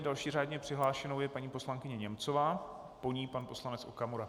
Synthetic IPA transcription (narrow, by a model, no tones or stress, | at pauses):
dalʃiːraːdɲɛpr̥ɪɦlaːʃɛnowjɛpaɲiːpo̞slaŋkɪɲɛɲɛmt͡sovaː | po̞ɲiːpanpo̞slanɛt͡sʔokamoɾa